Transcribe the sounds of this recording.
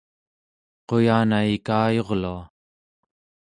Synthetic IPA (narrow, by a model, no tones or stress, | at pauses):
qo̞jaːnaikaːjo̞ʁlua